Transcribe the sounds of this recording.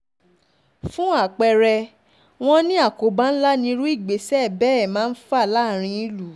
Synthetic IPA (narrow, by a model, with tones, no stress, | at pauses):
fũ˦a˦˨k͡pɛ˧ɾɛ˧ | w̃ɔ̃˦nĩ˦a˦˨ko˨˦ba˦n̩˦la˦nĩ˧˦ɾũ˦i˦˨ɡ͡be˨˦sɛ˦˨bɛ˦ɛ˦˨mãː˨˦fa˦˨la˨˦˨ɾ̃ĩ˧i˧lu˨˦